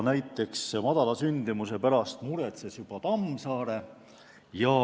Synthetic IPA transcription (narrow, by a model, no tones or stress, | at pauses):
næjt̪ːˑe̞ksmɑd̪̥ɑlɑsynd̪̥imuse̞pæɾɑst̪muɾe̞t̪sesjub̥ɑt̪ɑmːsɑːɾe̞ | jɑ